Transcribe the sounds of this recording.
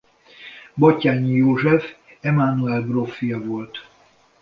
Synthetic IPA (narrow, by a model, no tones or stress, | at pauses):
bɒcːaːɲːijoːʒɛf | ɛmaːnuɛlbrofːijɒvo̞lt̪